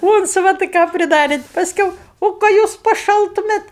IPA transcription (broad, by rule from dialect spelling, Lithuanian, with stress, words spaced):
ˈuːnt͡sʋɐtɐɪ kɑː pʲrʲɪˈdɑːrʲeːt pɐsʲˈkʲɛʊ ˈoː kɑː ˈjuːs pɐˈʃɐlˠtʊmʲeːt